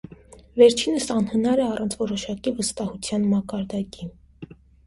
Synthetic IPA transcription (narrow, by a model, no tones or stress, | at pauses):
vɛɾt͡ʃʰinəsɑnhənɑɾɛɑrɑnt͡sʰvɔɾɔʃɑkivəst̪ɑhut͡sʰjɑnmɑkɑɾd̪ɑki